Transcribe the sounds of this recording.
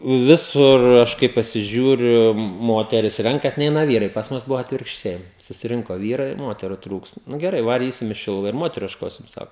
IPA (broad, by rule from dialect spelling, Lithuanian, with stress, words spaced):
ˈʋʲɪsʊr ˈɐʃ kɐɪ pɐsʲɪˈʒʲuːrʲʊ ˈmoːtʲɛrʲɪs ˈrʲɛŋkɐs ˈnʲɛɪnɐ ˈʋʲiːrɐɪ pɐs ˈmʊs ˈbʊʋoː ɐtʲʋʲɪrkʃʲˈt͡ʃʲɛɪ sʊsʲɪˈrʲɪŋkoː ˈʋʲiːrɐɪ ˈmuɔtʲɛrʊ ˈtruːkst ˈnʊ ɡʲɛˈrɐɪ ʋɐˈrʲiːsʲɪm ɪ ˈʃʲɪlˠʊʋɐ ɪr ˈmoːtʲɛrʊ iɛʃˈkoːsʲɪm ˈsɑːkoː